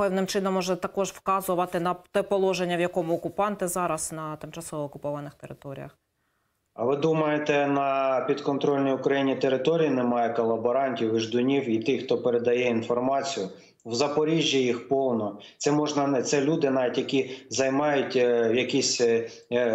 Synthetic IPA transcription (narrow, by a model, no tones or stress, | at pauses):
pɛwnɪmt͡ʃɪnɔmːɔʒɛt̪ɐkɔʒwkɑzʊʋɐt̪ɪnɐt̪ɛpɔlˠɔʒenʲːɐwjɐkɔmʊːkʊpɑnt̪ɪzɑɾɐsnɐt̪ɪmt͡ʃɐsɔʋɔːkʊpɔʋɐnɪxt̪eɾɪ̰t̪ɔɾʲḭjɐ̰x | ɐʋɪd̪umɐjet̪ɛnɐpʲid̪kɔnt̪ɾɔlʲnʲijʊkɾɐjinʲit̪eɾɪt̪ɔɾʲijinɛmɑjɛkɔlˠɐbɔɾɑnʲtʲiwiʒd̪ʊnʲiwit̪ɪxt̪ɔpeɾed̪ɐjɛinfɔrmɑt͡sʲijʊ | wzɐpɔɾʲiʒʲːijixpɔwnɔ | t̪sɛmɔʒnɐnɛt̪sɛlʲud̪ɪnɑʋʲitʲjɐkʲizɐjmɑjʊtʲjɐkʲisʲ